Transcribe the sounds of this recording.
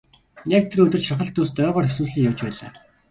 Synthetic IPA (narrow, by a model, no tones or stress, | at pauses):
nek̚t̪ʰeɾɵt̪ɘ̆rʃaχə̆ɬt̪ːust̪œːʁɔːrxeswuːɮɮĭːŋjawt͡ɕpæːɮaː